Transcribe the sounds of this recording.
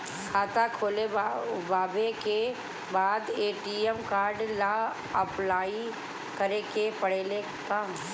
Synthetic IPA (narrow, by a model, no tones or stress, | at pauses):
kʰaːt̪akʰoːlebaːbeke | baːd̪eːʈiɛmkaːɾɖla | əplaːi | kəɾekepəɽ̤eːle | kɐm